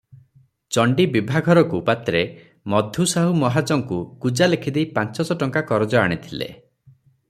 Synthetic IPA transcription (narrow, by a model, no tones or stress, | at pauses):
t͡ʃɔɳɖibibʱaɡʱɔɾɔkupat̪ɾe | mɔd̪ʱjusaɦumɔɦat͡ʃɔŋkukud͡ʒalekʰid̪eipant͡ʃɔsɔʈɔŋkakɔɾɔd͡ʒɔa̰ɽ̃it̪ʰilḛ